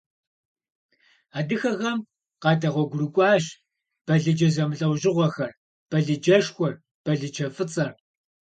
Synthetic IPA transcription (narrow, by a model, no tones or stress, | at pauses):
aːdɨxɐɣɐm | qɑːdɐʁʷɔɡʷʊrɨkʷʼɑːʃ | b̥ɐɮɨd͡ʒɐzɐmɨɬʼɐwʒɪʁʷɔxɐr | b̥ɐɮɨd͡ʒɐʃxʷɔr | b̥ɐɮɨt͡ʃʰɐfɨt͡sʼɐr